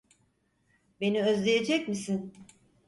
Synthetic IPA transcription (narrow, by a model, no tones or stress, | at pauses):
be̞niøzlʲejed͡ʒɛcmisin